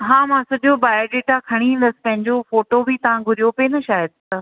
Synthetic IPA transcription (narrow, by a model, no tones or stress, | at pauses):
ɦãːmãsɐʄobaːjɖeːʈakʰɐɽ̃iɦĩːnd̪əsɪ̥̆pɐ̃ɦɪ̃ɲd͡ʑofoːʈobʱit̪ɐʋãɡʱʊɾijopenɐʃaːjəd̪̚t̪ɐ